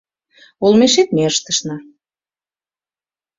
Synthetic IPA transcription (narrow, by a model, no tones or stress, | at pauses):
ulmeʃet̪̚meəʃt̪ə̥ʃnɑ